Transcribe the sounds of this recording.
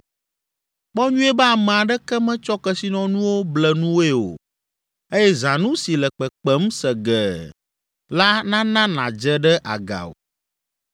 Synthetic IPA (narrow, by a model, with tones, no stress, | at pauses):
k͡pɔ˦ɲũ˦ɛ˦bɛ˦a˨mɛ̃˨a˨ɖɛ˦kɛ˦mɛ̃˦t͡ʃɔ˦kɛ˦si˦nɔ̃˦nũ˦wo˦blɛ˨nũ˦wo˦e˦o̰˨ | e˦jɛ˦zã˨nũ˦si˨lɛ˨k͡pɛ˨k͡pɛ˦m˦sɛ˨ɡɛ˨ | la˦nã˦nã˦nã̰˨d͡ʒɛ˦ɖɛ˦ʔa̰˨ɡa̰˨o̰˨